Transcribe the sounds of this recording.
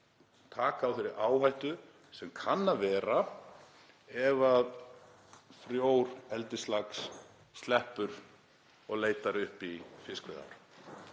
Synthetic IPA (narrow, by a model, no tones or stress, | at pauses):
t̪ʰaːkaːwθɛɾɪɾʔaːwhajht̪ʏ | sɛmkʰanːavɛːɾa | ɛvað | fɾjoːwɾɛlt̪ɪst̪laksː | t̪lɛhpʏɾ̥ | ɔɣleːjt̪aɾʏhpifɪskvɪða̰ɾ